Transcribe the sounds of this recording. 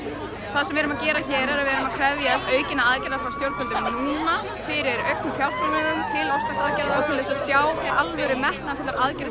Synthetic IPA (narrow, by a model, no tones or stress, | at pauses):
θaðsɛmvɛːɾʏmacɛːɾaçɛːɾɛɾaðvɛːɾʏmaðkʰɾɛvjaθɛst̪œːɥcɪnaaðcɛɾðafɾawst̪jowɾ̚pʰœlt̪ʏmnuːna | fɪɾɪɾœɥknʏfjawɾ̥falmɛɣʏmt̪ʰɪlɔwsasaðcɛɾðaɔt̪ʰaːlɪsasjaːwʔalvœɾɪmɛhknaðt̪ʰɪtlaɾʔaðcɪɾ